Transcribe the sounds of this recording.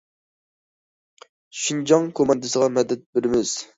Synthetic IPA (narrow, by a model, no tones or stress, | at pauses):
ʃind͡ʒɑŋkʰomɑnd̪ɪsəʁɑmɛd̪ːɛt̪̚bɪɾɪmɪz̥